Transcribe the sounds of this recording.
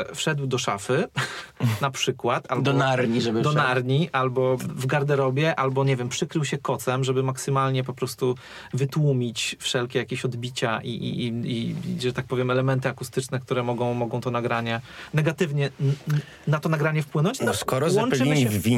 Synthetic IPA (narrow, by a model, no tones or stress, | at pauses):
fʂɛd̪wd̪ɔʂa̰fɘ | napʂɘkwat̪albd̪ɔɔnaɾɲiʐɛbd̪ɔnaɾɲiʔalbɔvɡaɾd̪ɛɾɔbʲjɛʔalbɔɲɛvʲjɛmpʂɘkɾɘwɕɛkɔt̪sɛmʐɛbɘmaksɘmalɲɛp̬ɔpɾɔst̪u | vɘt̪wumʲit͡ɕfʂɛlkʲɛjakʲeɕɔd̪bʲit͡ɕaʔḭʔḭiiʐɛt̪ak̚pɔvʲjɛmɛlɛmɛnt̪ɘakust̪ɘt͡ʂnɛk̚t̪uɾɛmɔɡɔ̃w̃mɔɡɔ̃w̃t̪ɔnaɡɾaɲɛnɛɡat̪ɘvɲɛ | nat̪ɔnaɡɾaɲɛfpwɘnɔɲt͡ɕnɔskɔɾɔwɔnpt͡ʂɛvʲi